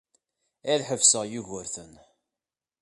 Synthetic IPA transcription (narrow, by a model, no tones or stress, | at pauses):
æðħəvsəʁjuʝʊɾθən